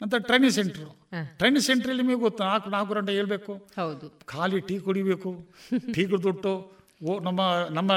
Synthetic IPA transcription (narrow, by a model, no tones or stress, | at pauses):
ɐnt̪ɾɐʈɾɐjniseɳʈɐɾuʈɾɐjniseɳʈɐɾɐlːimiːɡot̪ːnaːkunaːk̬uɾɐɳɖɐeːɭbeːkuhɐwd̪ukʰaːliʈiːkuɽibeːkuʈiːk̬ɾd̪uʈːu | onɐmːɐnɐmːɐ